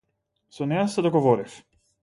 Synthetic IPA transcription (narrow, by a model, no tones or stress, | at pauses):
sɔnɛjasɛd̪ɔɡɔvɔɾif